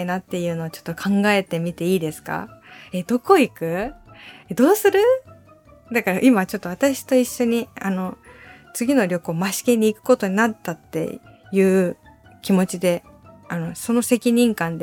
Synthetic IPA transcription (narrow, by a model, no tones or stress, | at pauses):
inat̪ːe̞jɯ̟ːno̞ːt͡ɕo̞̥t̪ːo̞kʰãŋɡae̞t̪e̞mʲit̪e̞iːd̪e̞sɨ̥ka̰e̞d̪o̞ko̞ikɯ̟ | ed̪o̞ːsɨɾɯ̟ | d̪akaɾaʔimat͡ɕo̞t̪ːo̞βat̪aɕi̥t̪o̞iɕːo̞ɲ̟iano̞t͡sɨɡʲino̞ɾʲo̞koːmaɕi̥ke̞ɲ̟iːkɯ̟̥ko̞t̪o̞ɲ̟inat̪ːat̪ːe̞̰ | jɯ̟ː | kʲimo̞t͡ɕid̪e̞ | ano̞so̞no̞se̞kʲiɲ̟ĩŋkãnd̪e